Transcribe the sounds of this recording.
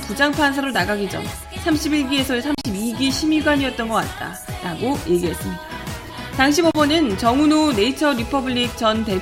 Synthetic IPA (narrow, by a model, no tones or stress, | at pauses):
pud͡ʑaŋpʰans̬ʰaɾonaɡaɡid͡ʑʌ̰ŋ | sʰamɕʰibiɭɡie̞sʰʌesʰamɕʰibiɡiɕʰimiɡwaɲiʌt̚t͈ʌnɡʌk͈at̚t͈a̰ | ɾaɡoje̞ɡiɦe̞s͈ɯmɲida | taŋɕ̬ʰibʌbʌnɯnt͡ɕʌŋunone̞it͡ɕʰʌɾipʰʌbɯʎːik̚t͡ɕʌnte̞